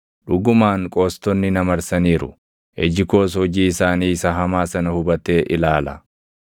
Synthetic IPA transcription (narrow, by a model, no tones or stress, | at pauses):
ᶑʊɡʊmaːŋkʼoːst̪ɔnːɪnɐmɐɾsɐniːɾʊ | ʔɛd͡ʒɪko̞ːs̬hɔd͡ʒiːɪsaːniːɪsɐɦɐmaːsɐnɐhʊbɐt̪e̞ːʔɪlaːlɐ̰